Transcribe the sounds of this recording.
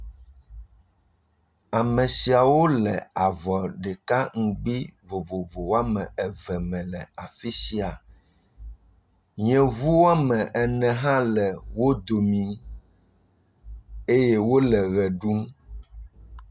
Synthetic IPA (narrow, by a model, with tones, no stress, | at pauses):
a˨mɛ̃˨si˨a˨wo˦lɛ̰˨a˨vɔ˨ɖɛ˨ka˦ŋ̩˨ɡ͡bi˦vo˨vo˨vo˨wo˦a˦mɛ̃˨ɛ˨vɛ˨mɛ̃˨lɛ˨a˨fi˦si˦a˨ | ɲɛ̃˨vu˦wo˦a˦mɛ̃˨ʔɛ˨nɛ̃˨ɦã˦lɛ˨wo˦d̪o˨mĩ˨ | e˦je˦wo˦lɛ˨ɣɛ˨ɖu˦m